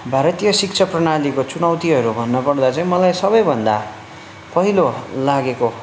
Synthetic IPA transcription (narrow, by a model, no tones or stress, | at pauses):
bʱaɾʌt̪ijʌsik̚t͡sʰʌprʌñalikot͡sunʌwt̪iɦʌɾubʱʌnːʌpʌrd̪at͡saĩmʌlajsʌbʌjbʱʌnd̪a̰ | pʌɦilolaɡeko